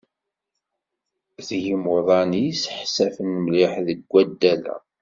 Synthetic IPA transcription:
θjimoðˤɑnisħsæfənmliħðəɡʷːæd̪ːælæ̰

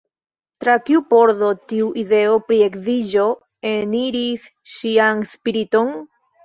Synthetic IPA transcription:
tɾatiupo̞ɾdo̞tiuʔide̞opɾiekzid͡ʒo̞ | eniɾisʃianspiɾito̞n

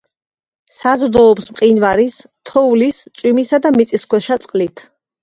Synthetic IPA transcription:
sazɾd̪ɔːpsmqʼinvaɾist̪ʰɔulist̪sʼwimisad̪amit̪sʼiskwɛʃat̪sʼqʼlit̪ʰ

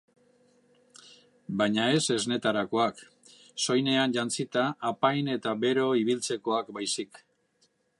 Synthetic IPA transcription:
bajɲae̞se̞zne̞t̪aɾako̞ak | so̞jne̞anʎant͡sit̪aːpajne̞t̪aβe̞ɾo̞iβ̞ilt͡se̞ko̞akbajsik

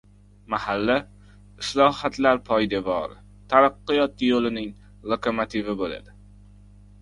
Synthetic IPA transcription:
mahalːa | ɪslˠɒhat̪laɾpʰɒjd̪evɒ̰ɾ | t̪ʰaɾɑqːɨjɒt̪ːɪjolɪnɪŋ | lˠokʰomot̪ʰivɪbola̰d̪ɪ

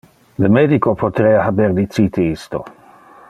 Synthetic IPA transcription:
ləmeːd̪ikopʰot̪ɾeːahabeɾd̪it̪t͡siːt̪iist̪o̰

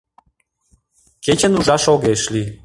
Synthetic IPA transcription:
ket͡ɕə̆nuʒɑʃoɣeʃlʲi

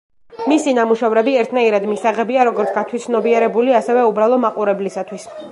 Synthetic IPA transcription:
misinamuʃɛvɾɛbiɛɾt̪ʰnaiɾad̪misaʁɛbiaɾɔɡɔɾt̪sɡ̥at̪ʰwit̪sʰnɔbiɛɾɛbuliasɛvɛubɾalˠɔmaqʼuɾɛblisat̪ʰwis

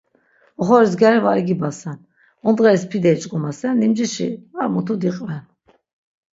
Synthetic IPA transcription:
ɔχɔɾizɡaɾivaɾiɡibasɛn | ɔnd̪ʁɛɾispʰid̪ɛit͡ʃʼkʼumasɛnːimd͡ʒiʃḭaɾmut̪ʰud̪iqʼvɛn

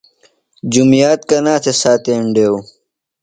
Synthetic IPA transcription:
d͡ʑumjaːt̪̚kɐnaːt̪ʰesaːt̪eːɳɖeːu

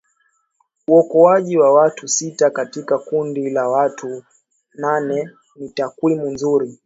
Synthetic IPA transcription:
uɔkɔaʄiwawatʰusitakatikakundilawatʰu | nanɛ | nitakwimunzuɾi

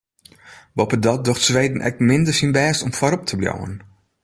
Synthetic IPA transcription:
bɔpədɔt̚dɔxtsʋeːdn̩ʔɛ̰k̚mɪndərsinbɛːstɔmfɔɾɔp̚tʰəblja̰wə̰n

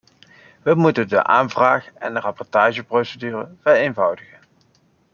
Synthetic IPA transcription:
ʋəmutəndə̰ʔa̰ːnvraːχɛ̰ndərɑpɔɹtaːʒəprowsədyːrə̰v̥ɛrejnvɑwdəɣən

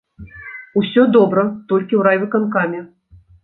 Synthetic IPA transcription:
usʲɔd̪ɔbɾɐt̪ɔlʲkʲiwɾajvɨkankamʲɛ

